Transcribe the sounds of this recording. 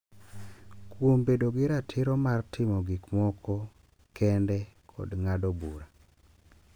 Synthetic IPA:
kwombedoɡɪɾatʰɪɾɔmartʰɪmɔɡɪkmɔkʰɔ | kɛndɛkʰɔ̰dŋadɔbuɾa

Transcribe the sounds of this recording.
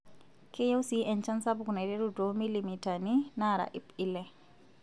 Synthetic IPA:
kʰejɛwsiʔɛnt͡ʃansabkunadɛɾudomilimitaninaɾa̰ʔipilɛ

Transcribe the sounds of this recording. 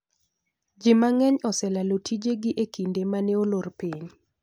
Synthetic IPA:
d͡ʒɪmaŋɛɲɔsɛlalotʰid͡ʒeɡɪʔekindemanɛolorpiɲ

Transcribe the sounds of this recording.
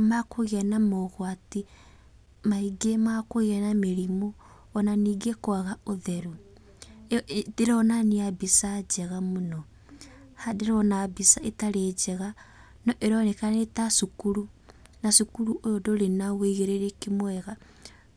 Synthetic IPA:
makoɣeɛnamɔɣwati | maiɡemakoɣeɛnameɾimoː | naniːɡekwaɣaoðɛɾu | deɾɔnaniabisad͡ʒɛɣamonɔ | hadeɾɔnabisaetaɾed͡ʒɛɣa | nɔʔeɾɔnekanetasukuɾu | nasukuɾuʔojodoɾenaweiɣeɾeɾekemwɛɣa

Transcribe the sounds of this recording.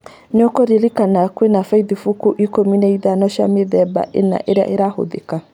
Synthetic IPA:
ɲɔkɔɾelikanakwenafaiðifukuʔikominɛiðanɔʃa̰meðɛba̰ʔena̰ʔeɾea̰ʔeɾaho̰ðeka

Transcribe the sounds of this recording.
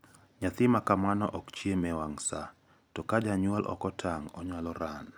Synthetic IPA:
ɲat̪ɪmakamanɔ̰ʔɔkt͡ʃiemɛwaŋsa | tɔkad͡ʒaɲwalʔɔ̰kɔtʰaŋɔɲalɔɾan

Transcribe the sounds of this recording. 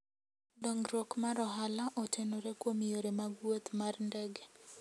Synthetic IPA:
dɔŋɡɾwokmaɾɔɦalaʔɔtʰenoɾekwomijoɾemaɡwot̪marndɛɡɛ

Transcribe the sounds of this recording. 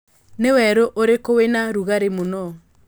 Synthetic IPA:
newɛɾoʔoɾekowenaɾuɣaɾemonɔ

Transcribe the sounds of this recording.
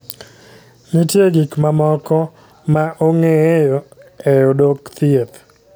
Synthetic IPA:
nitjeɡikmamɔkɔ | maʔoŋɛjɔɛjɔdokt̪iet̪

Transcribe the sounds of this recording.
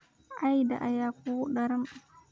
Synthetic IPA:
ʔajda̰ʔajaːkuwɗaɾam

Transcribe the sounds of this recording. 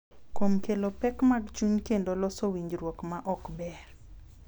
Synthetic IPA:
komkelopɛkmaɡt͡ʃuɲkendolɔsowiɲd͡ʒɾwokmaʔɔkbɛr

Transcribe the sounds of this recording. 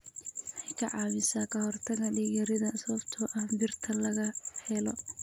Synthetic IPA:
ħɑjkʰɐʕɑːmɪsaːkʰɐhɔrt̪ʰɐɣɐɖiːɣɐɾɪðɐsɐβɐbt̪ʰɔːʔɐhbɪrt̪ʰɐlɐɣɐhɛlɔ̰

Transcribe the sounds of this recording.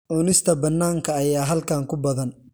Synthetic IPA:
ʔɔnɪst̪ʰɐbɐnːaːŋkʰɐːjaːɦɐlkʰaːŋkʰʊbɐðɐn

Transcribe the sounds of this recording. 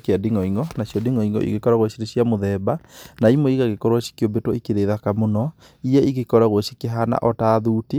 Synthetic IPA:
keadiŋɔiŋɡɔnasjɔdiŋɔiŋɡɔ̰ʔḭɣekɔɾaɣoʃiɾeɕiamoðɛbanaimoiɣaɣekɔɾwaʃi̥kiɔbetoikeɾeðakamonɔ | ijɛiɣekɔɾaɣwoʃikeɦana̰ʔɔtaːðuːte

